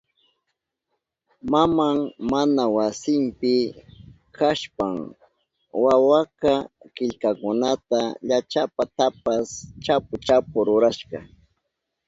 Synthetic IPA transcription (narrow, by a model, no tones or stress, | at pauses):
mamaŋmanawasɪmpɪ | kʰaʃpaŋ | wawakakɪʎkakʊnat̪aʎat͡ʃapat̪apast͡ʃapʊt͡ʃapʊɾʊɾaʃkɑ